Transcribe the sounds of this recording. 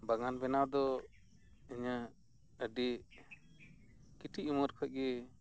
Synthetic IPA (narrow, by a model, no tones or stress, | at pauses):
baŋanbɛnawd̪ɔ | iɲa | əɖi | kiʈiuməɾkʰəc̚ˀɡɛ